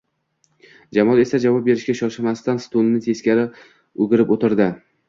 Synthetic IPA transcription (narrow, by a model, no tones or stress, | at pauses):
d͡ʒamɒlˠe̞sad͡ʒavɒp̚be̞ɾɪʃkʲaʃɒʃɪmast̪anst̪onnɪt̪ʰe̞skʲaɾɪ | oɡʲɪɾɪpot̪ɪɾd̪ɪ